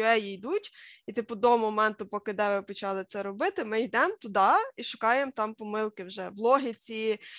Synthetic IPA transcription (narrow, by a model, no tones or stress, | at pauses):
ɛjijd̪utʲit̪ɪpʊd̪ɔmɔmɛnt̪ʊpɔkɪd̪ɛʋɪpɔt͡ʃɑlˠɪt̪sɛɾɔbɪt̪ɪmɪjd̪ɛmt̪ʊd̪ɑiʃʊkɑjemt̪ɑmpɔmɪlˠkɪwʒɛwlˠɔɦɪt͡sʲi